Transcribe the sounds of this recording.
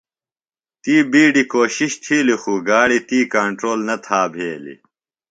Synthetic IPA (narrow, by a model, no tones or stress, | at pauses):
t̪iːbiːɖikoːɕiɕt̪ʰiːlixuːɡaːɽit̪iːkɐɳʈɾoːlnɐt̪ʰaːbʱeːlḭ